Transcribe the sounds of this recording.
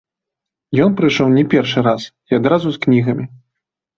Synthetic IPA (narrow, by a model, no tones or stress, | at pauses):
jɔnpɾɨʂɔwnʲɛpʲɛrʂɨɾas | iad̪ɾazusknʲiɣɐmʲi